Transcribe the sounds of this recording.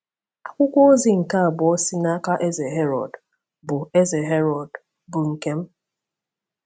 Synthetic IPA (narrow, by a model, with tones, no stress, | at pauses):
a˨kʷʊ˦kʷɔ˦o˦zi˨ŋ̩˨ka˦a˨bʊ˨ɔ˦si˦na˦ka˦ʔe˦ze˨ɦe˦ɾɔ̰˨d | bʊ˨e˦ze˨ɦe˦ɾɔ˨d | bʊ˨ŋ̩˨ke˦m̩˦